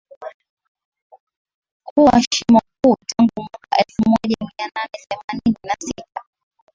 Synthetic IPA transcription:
kuwaʃimakuːtʰaŋɡumwakaʔɛlfumɔʄamiananɛθɛmanininasita

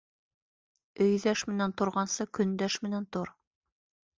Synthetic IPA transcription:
ɵ̆jðæʃmɘ̆nænt̪ŏɾʁɑnsɤkɵ̆nd̪æʃmɘ̆nænt̪oɾ

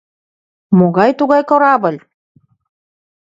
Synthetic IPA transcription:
moɣɑjt̪uɣɑjkŏɾɑβɤ̆lʲ

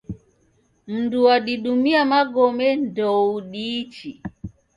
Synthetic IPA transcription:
m̩nduwaɗiɗumiamaɡɔmɛndɔuɗit͡ʃi

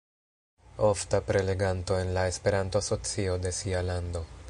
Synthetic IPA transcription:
o̞ftapɾe̞le̞ɡanto̞e̞nlae̞spe̞ɾantoaso̞t͡sio̞de̞sialando̞

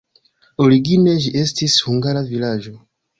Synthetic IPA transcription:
o̞ɾiɡine̞ʒiʔe̞stishuŋɡaɾavilad͡ʒo̞

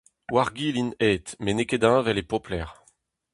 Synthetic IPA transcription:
waʁɡilineːt̪meneked̪ãvɛlepɔplɛʁ

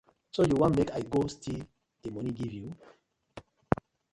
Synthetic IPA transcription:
sojuwɔ̃nmekajɡostʰil | demɔniɡivju

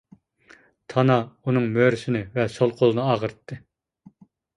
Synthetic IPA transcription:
t̪ʰɑnɑunɨŋmøɾysɪnɪvɛsolˠqʰolˠɨnɨɑːʁəɾɨt̪ːɨ

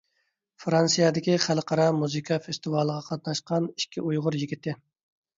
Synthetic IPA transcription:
fɾɑnsijɑd̪ɪkʲiχælqʰɑɾɑmuzɨkʰɑfest̪ɨvɑːlˠəʁɑqʰɑt̪̚nɑʃqɑni̥ʃkʲiujʁʊɾjiɡʲit̪ʰːɪ

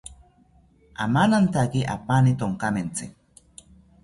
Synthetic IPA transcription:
a̰manant̪akiʔa̰panit̪oŋkament͡sɪ

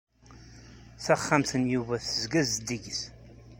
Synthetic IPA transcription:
θæχːamθənjuvæθəzɡæzd̪iʝθ

